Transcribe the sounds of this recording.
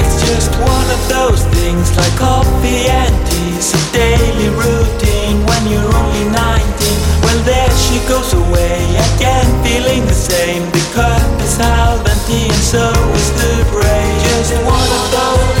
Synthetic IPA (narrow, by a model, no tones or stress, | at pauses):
ɨtsd̥ʒ̥ʌst̚wʌ̃nʌvðoʊz̥θɪ̃ŋzlaɪkɔiæ̃nti | zʌvdeɪliɹuɾɪ̃ŋwə̃njə˞õʊ̃nlinãɪ̃ntĩnwɛlˠðənʃiɡoʊzəweɪɨɡɛ̃nfilˠɪ̃ŋðɨsẽɪ̃mbɨkʰʌpɨsabɨ̃ntiɨ̃nsoʊɪzðɨbeɪd͡ʒʌs̚wʌ̃nʌvðoʊ